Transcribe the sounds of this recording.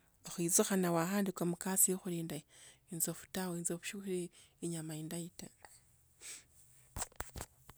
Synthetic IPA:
oxwizuxanawaxaːndikwamukasijoxuliːndainzofu̥tawoinzoβu̥ʃuxiɾe | iɲamaindaita

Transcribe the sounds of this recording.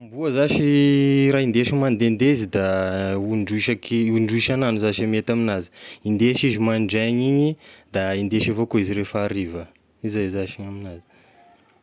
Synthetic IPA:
mbuəzaʃiɾaːind̪eʃimand̪end̪ezid̪auɳɖ͡ʐuiʃakiuɳɖ͡ʐuiʃananuzaʃamet̪aminazi̥ind̪eʃizimaɳɖ͡ʐaɲiɲid̪aind̪eʃivokoiziɾefaɾivə | izazaʃiɲaminazi̥

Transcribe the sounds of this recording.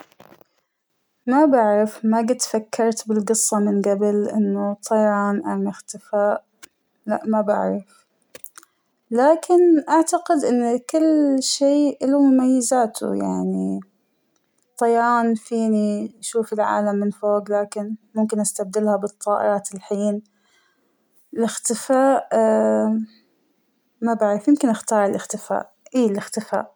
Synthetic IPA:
mabaʕɾɪfmaɡat̪fakʰːɑɾˤt̪bɪlɡɨsˤːɑmɪnɡabɪlʔɪnːut̪ˤʰːɑjɾˤɑːnʔanaxt̪ɪfaːʔ | la̰ʔmaba̰ʕɾˤɪf | laːkɪnʔaʕt̪aqɪd̪ʔɪnːkʊlːʃeːʔɪlumʊmajːɪzaːt̪ʰṵja̰ʕni | t̪ˤːɑjɑːnfiːniʃuːfɪlʕa̰ːlamːɪnfoːɡlaːkɪnmʊmkɪnʔast̪ab̚d̪ɪlhabɨt̪ˤːɑːʔɪ̰ɾˤɑːt̪ɪlħiːn | lɪxt̪ɪfaːʔ | mabaʕɾɪfjɪmkɪnʔaxt̪ɑːɾˤɪlʔɪxt̪ɪfa̰ːʔ | ʔiːlɪxt̪ɪfa̰ːʔ

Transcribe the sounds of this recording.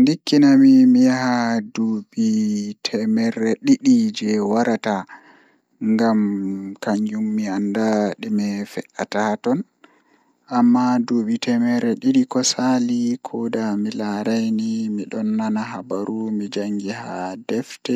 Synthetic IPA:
ndikːinamimijaɦadobitʰɛmɛɾːɛɗiɗid͡ʒɛwaɾata | ŋɡamkaɲd͡ʒumːiandaɗimɛfɛʔatatɔn | ʔamːadoɓitʰɛmɛɾɛɗiɗikɔsalikʰɔdamilaɾajnimiɗɔnːanaɦabaɾumid͡ʒaŋɡiha̰dɛftɛ

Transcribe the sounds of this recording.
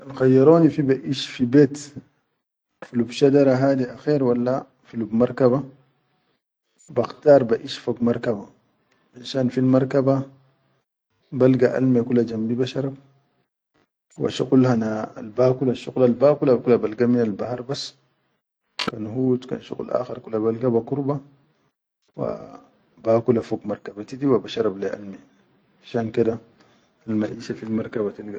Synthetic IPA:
ʔanxajːɑɾˤoːnifibaʔiːʃfibeːt̪ | filubʃadɑɾˤaɦaːd̪iʔaxeːɾwalːa | filubmɑɾˤkaβa | baxt̪ɑːɾˤbaʔiʃfaɡmɑɾˤkaba | ʔanʃaːnfilmɑɾˤkaba | balɡaʔa̰lmekulːad͡ʒambibaʃɑɾˤɑb̚ | wa̰ʃuqlhanaa̰lbaːkulaʃuɣlalbaːkulakulːabalɡaminalbahɑɾˤbas | kanhuːt̪ka̰nʃṵɣlʔa̰ːxeɾˤkulːabalɡabakuɾba | wa̰ | baːkulafokmaɾkabat̪id̪iwabaʃɑɾˤɑbleʔa̰lme | aʃaːnked̪a | almaʔiːʃafilmɑɾˤkabat̪ilɡa

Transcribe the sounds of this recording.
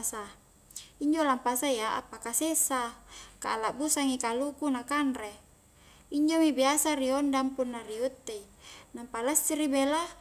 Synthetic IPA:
sa | iɲd͡ʒolampasajaa̰pakasesaka̰ːlaʔbusaŋikalukunakanre | iɲd͡ʒomibiasaɾiɔndampunːariut̪ːeinampalasːiɾibela

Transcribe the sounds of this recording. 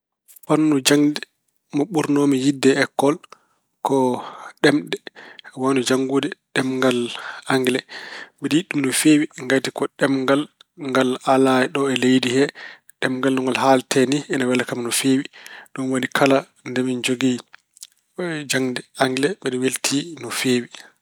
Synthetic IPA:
fanːud͡ʒaŋdɛ | mɔɓuɾnomijidːɛːkːɔl | kɔɗɛmɗɛwanud͡ʒaŋɡudɛɗɛmŋɡalaŋɡlɛɓɛɗjiɗːumnɔfewiŋɡatikɔɗɛmŋɡalŋɡalalaɛɗɔɛlejdihɛ | ɗɛmŋɡalnɔŋɡalɦaltʰɛniɛnawɛlakamnɔfeːwiɗɔnwonikʰala | ndɛmind͡ʒoɡi | d͡ʒaŋdɛaŋɡlɛɓɛɗɔweltʰinɔfeːwi

